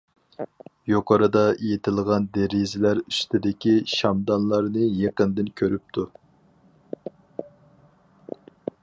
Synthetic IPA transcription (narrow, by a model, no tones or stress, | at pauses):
joqʰɑɾɨd̪ɑejet̪ʰɪlˠʁɑnd̪eɾizɪlæɾyst̪ʰɪd̪ɪkʲiʃɑmd̪ɑnlˠɑɾnɨjeqənd̪ɪnkʲʰøɾyp̚t̪ʰu